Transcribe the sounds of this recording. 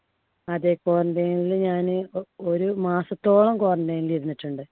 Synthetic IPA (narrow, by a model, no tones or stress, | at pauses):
ɐðeko̞ːrɐɳɖeːnilɲaːnɨoɾumaːsɐt̪ːo̞ːɭɐmkoːrɐɳɖeːniliðnːiʈːuɳɖɨ